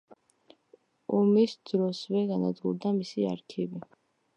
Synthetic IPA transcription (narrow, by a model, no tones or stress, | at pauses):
ɔmisd̪ɾɔsvɛɡanad̪ɡuɾd̪amisia̰ɾkʰivi